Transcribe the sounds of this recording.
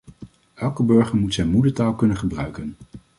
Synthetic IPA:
ɛlˠkəbɵɹχəɹmutsɛjnmudətaːlˠkɵnəχəbrœɥkən

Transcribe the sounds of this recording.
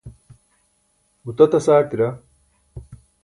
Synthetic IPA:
ut̪ɐt̪ɐsaːʈ̪iɾɐ

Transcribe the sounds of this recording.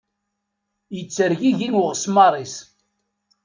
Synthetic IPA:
jət͡sːəɾʝiʝinwəʁsmɑɾˤis

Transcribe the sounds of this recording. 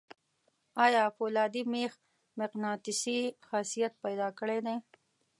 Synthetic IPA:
ɑːjɑːfoːlɑːd̪imeːx | mɪqnɑːt̪ɪsixasijat̪̚pajd̪ɑːkəɽed̪ej

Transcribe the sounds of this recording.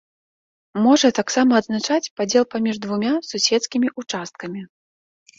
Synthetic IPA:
mɔʐɐt̪aksamɐɐd̪znat͡ʂat͡sʲpad͡zʲɛlˠpamʲiʐd̪vumʲasusʲɛt̪skʲimʲiʔut͡ʂast̪̚kɐmʲi

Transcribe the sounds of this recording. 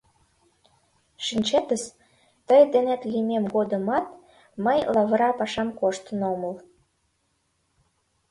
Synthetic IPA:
ʃinʲt͡ɕet̪əs | t̪əjd̪enæt̪limemɣod̪əmɑt̪ | məjlɑβəɾɑpɑʃɑmkoʃt̪ənoməl

